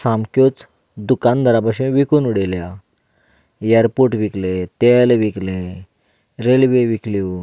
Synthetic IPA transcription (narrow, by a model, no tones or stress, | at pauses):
sãmkjot͡s | d̪ukand̪ʱəɾabaɕũʋikunuɽelja | jəɾpuɾʈʋiklẽt̪elʋiklẽ | ɾelʋeʋiklo